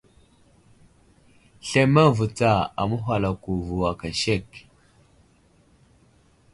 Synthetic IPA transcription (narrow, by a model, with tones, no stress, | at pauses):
ɬe˦ma˦vu˨t͡sa˦˨a̰˨mu˦ɦʷa˨la˨ku˨vu˨wa˨ka˨ʃe˦˨k